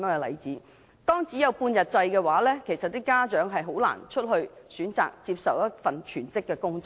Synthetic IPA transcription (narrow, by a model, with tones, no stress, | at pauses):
ŋɛ˧lɐ̰˨˩jt͡siː˨˥ | t̪ɔː˥ŋt͡siː˨˥jɐ˨˧wpuː˧njɐ˨t̚t͡sɐ˧jkɛː˧waː˨˥lɛː˥kʰe˨˩jsɐ˨t̚t̪iː˥kːaː˥t͡ʃœː˨˥ŋɦɐ˨jɦo˨˥wla̰ː˨˩nt͡ʃʰɵ˥t̚ɦɵ˧ɥsyː˨˥nt͡sa̰ː˨k̚t͡si˧p̚sɐ˨wjɐ˥t̚fɐ˨nt͡ʃʰyː˨˩nt͡sɪ˥kːɛː˧kʊ˥ŋt͡s